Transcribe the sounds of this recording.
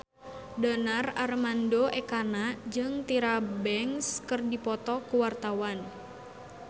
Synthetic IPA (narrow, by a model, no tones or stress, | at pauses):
danararmandoʔɛkanad͡ʒɨŋt̪iɾabɛŋskərdipɔt̪ɔkuwart̪awan